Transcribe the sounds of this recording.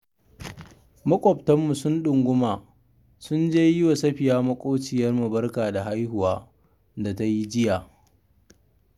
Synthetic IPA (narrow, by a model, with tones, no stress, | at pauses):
mɐ˦kʷʼɔ˨ptɐ˦mːu˨sʊ˦nɗʊ˨ŋɡʷʊ˦maː˨ | sʊ˦nd͡ʒeː˦jɪ˦wa˨sɐ˦ɸɪ˨jaː˦mɐ˦kʷʼoː˦t͡ʃɪ˨jɐ˦rmu˨bɐ˦rkaː˨da˨ɦa˦jhʊ˨waː˦ | da˨ta˦ji˦d͡ʒɪ˦jaː˨